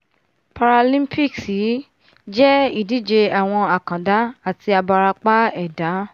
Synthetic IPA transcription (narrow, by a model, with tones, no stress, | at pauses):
pa˧ɾa˧lĩ˦mpi˦˨ksi˨˦ | d͡ʒɛ˦i˦˨di˨˦d͡ʒe˧a˨w̃ɔ̃˧a˨kã˨da˨˦a˦˨ti˧a˧ba˧ɾa˧k͡pa˦ɛ˦˨da˨˦